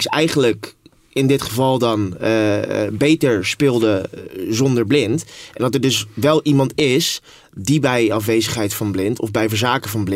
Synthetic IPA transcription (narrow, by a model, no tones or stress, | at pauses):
sɛjχənlək | ɪndɪtχəvɑlˠdɑn | bejtəɹspɪːlˠdəzɔndəɹblɪntɛndɑtɛɹdɵsʋɛlˠʔimɑntɪs | dibɛjɑfʋejzəχɦɛjtfɑnblɪntɔ̰vbɛjvəɹzaːkəvɑnblɪ